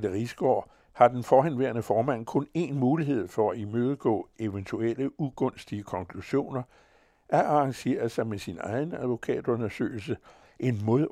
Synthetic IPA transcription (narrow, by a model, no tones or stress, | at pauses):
d̥əʁisɡ̥ɒ̰ː | hɑ̈d̥enfɒɦænʋeɐnəfɒːmæn̰kʰɔ̽ne̝nmuːliɦe̝ð̰ˠfɒæimøːð̞ˠəɡ̥ɔ̰̽ːe̝ʋənt͡sʰueləuɡ̥ɔ̽nsd̥iəkʰɒ̽ŋkʰluɕo̝̰ːnɐ | ʔæʔɑ̈ɑ̈ŋɕe̝̰ːɐð̩ˠsɑ̈ɪmesinɑ̈ɪn̩æðˠʋo̝kʰɛ̰ːd̥ɔ̽nɐsø̰ːl̩sə | ʔe̝nmoðˠ